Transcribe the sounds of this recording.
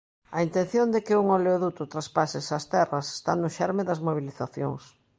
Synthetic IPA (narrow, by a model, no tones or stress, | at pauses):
ɐint̪ẽnθjond̪ɪkɪuŋoleoðut̪ʊt̪ɾaspasɪsɐst̪ɛrɐse̥st̪anʊʃɛɾmeðɐzmoβ̞iliθaθjo̰ŋs